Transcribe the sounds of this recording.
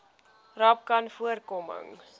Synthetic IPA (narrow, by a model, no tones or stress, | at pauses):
rɐp̚kɐnfuərkɔmə̰ŋ